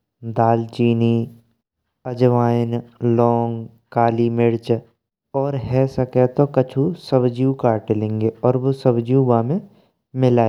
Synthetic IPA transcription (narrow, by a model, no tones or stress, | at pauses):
d̪aːlt͡ʃiːni | ɐd͡ʒʋaːnlɔːŋɡ | kaːlimɪɽt͡ʃ | ɔːɾɦɛsəkɛt̪okət͡ʃʰusɐbd͡ʒijũkaːɾʈelẽːŋɡeɔːɾʋosəbd͡ʒjũbaːmẽ | mɪlaːe